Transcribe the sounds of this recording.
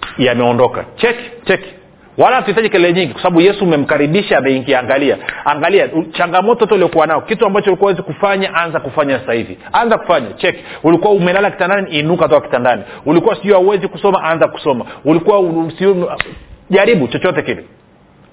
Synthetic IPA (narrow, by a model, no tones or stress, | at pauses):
jamɛɔndɔka̰t͡ʃɛki̥t͡ʃɛki̥ | walahatuitaʄikɛlɛlɛɲiŋɡikwasaɓaɓujɛsuːmɛm̩kaɾiɓiʃaːmɛiŋɡiaŋɡalia̰aŋɡaliat͡ʃaŋɡamɔtɔtɔiliɔkuwanaɔkituambaɔt͡ʃɔulikuwawɛzikufaɲaʔanzakufaɲasahivḭ | anzaku̥faɲat͡ʃɛki̥ulikuwaumɛlalaki̥tandaniːnukatɔkaki̥tandaniulikuwasiɔhauwɛzikusɔmaʔanzaku̥sɔmaulikuwasi | ʄaɾiɓut͡ʃɔt͡ʃɔtɛkili